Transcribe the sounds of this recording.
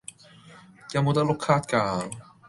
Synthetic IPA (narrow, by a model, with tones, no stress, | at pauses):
jaː˨˧mo˨˧wt̪ɐ˥klʊ˥kʰːaː˥t̚kaː˧